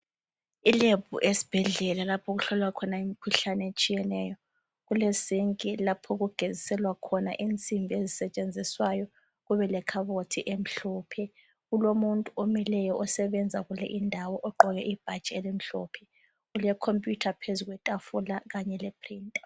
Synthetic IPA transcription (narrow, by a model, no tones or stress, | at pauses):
ilebʱṵʔesi̥b̥ʱɛɮɛlalapʰɔɣuɬɔlwakʰɔnaimikʰuɬanɛet͡ʃʼijɛnɛːjɔ | ɣulesiŋkʼilapʰɔɣuɡ̥ʱezisɛlwakʰɔna̰ʔint͡sʼimbʱiezisɛt͡ʃʼend͡zʱiswajɔ | ɣuβɛlɛkʰaβotʰiʔem̩ɬɔːpʰɛ | ɣulomuntʼuomilɛjɔʔɔsɛβɛnd͡zʱaɣulɛ̰ʔindʱawɔʔɔǃɔɣɛʔib̥ʱḁt͡ʃʼɛɛlem̩ɬɔːpʰɛ̥ | ɣulɛkʰompʼjutʰapʰezuɣwɛtʼafulaɣaɲɛlɛpʰrintʼ